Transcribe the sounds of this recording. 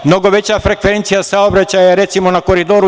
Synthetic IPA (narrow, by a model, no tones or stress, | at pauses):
mno̞ɡo̞ʋe̞t͡ɕafɾe̞kʋe̞nt̪sijasaobɾat͡ɕajaɾe̞t̪simo̞nako̞ɾid̪oːɾu